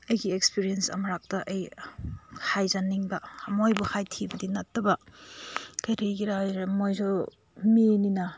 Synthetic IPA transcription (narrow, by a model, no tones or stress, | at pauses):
ɐjɡiekspiɾiensɐ̰mɐɾak̚tɐʔɐj | hʰajzanːiŋbɐɐmojbuhʰajtʰibɐdinɐtːɐbɐ | kɐjtʰejɡiɾaɾmojzɔ | mininɐ